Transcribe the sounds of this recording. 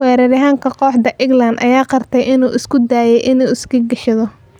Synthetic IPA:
wɛːɾɐɾɐɦaːŋkʰɐqɔːħd̪ɐʔɪɡlɐnd̪ʔɐ̰jaːqɑrt̪ʰɛjʔɪnuːʔɪskʰʊd̪aːjɛjʔɪnuːɪskʰɐɡɐʃɐðɔ

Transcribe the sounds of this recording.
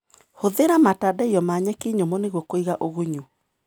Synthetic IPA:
hoðeɾamatadaiɔmaːɲɛkeɲomɔneɣwɔkoiɣaʔoɣuɲu

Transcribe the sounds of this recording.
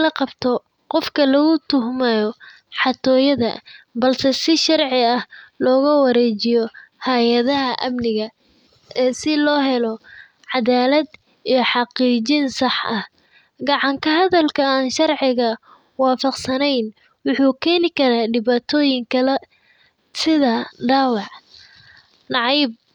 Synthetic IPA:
lɐqɑbt̪ʰɔ | qɔfkʰɐlɐɣʊt̪ʰʊɦmɛjɔ | ħɑt̪ʰɔːjɐðɐ̰bɐlsɛsɪʃɑrʕɪɐhlɔːɣɐwɐɾɛːt͡ʃɪjɔ | hɐjɐðɐɦɐʔɐmnɪɣɐ | ʔɛːsɪlɔːɦɛlɔ | ʕɑðaːlɐd̪ | ijɔħɑqiːt͡ʃinsɑħʔɐh | ɡɑʕɑŋkʰɐɦɐðɐlkʰɐaːnʃɑrʕɪɣɐ | wɑːfɑqsɐnɛjn | wʊħuːkʰɛːnɪkʰɐɾaːɖɪβaːt̪ʰɔːjɪŋkʰɐlɛ | sɪðɐɖaːwɑʕ | nɑʕijb̚

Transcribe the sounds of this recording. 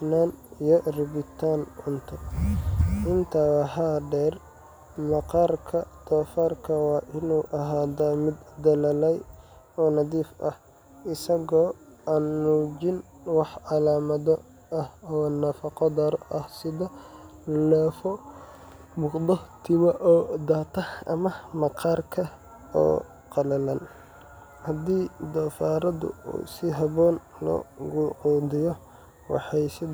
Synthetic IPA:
nanijɔrɪbɪt̪ʰanʊnt̪ʰɐ | ʔɪnt̪ʰɐwɑhaɖɛr | mɐqɑrkʰɐd̪̥ɔːfarkʰɐwɑːʔɪnuːʔɐɦaːd̪aːmɪd̪d̪ɐlɐlɛj | ɔːnɐðiːfʔɐh | ʔɪsɐɣɔː | aːnmuːd͡ʒɪn | wɑħɑlaːmɐðɔ | ɐhɔːnɐfɐqɑd̪ɐɾɔʔɐhsɪðɔ | lɛːfɔ | mʊqd̪ɔt̪ʰɪmɐʔɔːd̪aːt̪ʰɐɐ̰mɐmɐqʰɑːrkʰɐ | ɔ̰ː | qɑlɐlɐn | hɐd̪iːd̪ɔfaːɾɐðʊ̰ṵːsɪɦɐβɔːn | lɔ̰ːɣʊʕuːd̪ɪjɔ | wɑ̰ħɑjsɪ

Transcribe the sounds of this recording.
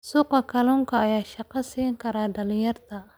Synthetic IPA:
suːqɐkʰɐlɔːŋkʰɐːjaːʃɑqɑsiːŋkʰɐɾaːɖɐlɪjɐrt̪ʰɐ

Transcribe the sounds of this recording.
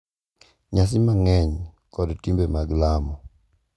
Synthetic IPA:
ɲas̬ɪmaŋɛɲkɔdtimbemaɡlamɔ

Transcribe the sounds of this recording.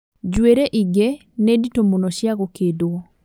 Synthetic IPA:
d͡ʑweɾeʔiɡe | neditomonɔʃjaɣokedoɔ

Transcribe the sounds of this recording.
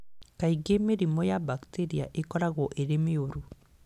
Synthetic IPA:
kaiɡemeɾimɔjabakteɾiaʔekɔɾaɣɔʔeɾemeoɾu

